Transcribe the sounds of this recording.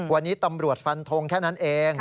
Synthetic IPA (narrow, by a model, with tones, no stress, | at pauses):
wa˧nːiː˦˥t̪a˧mɾu˨˩ət̪̚fa˧nt̪ʰo˧ŋkʰɛː˥˩na˦˥nʔeː˧ŋ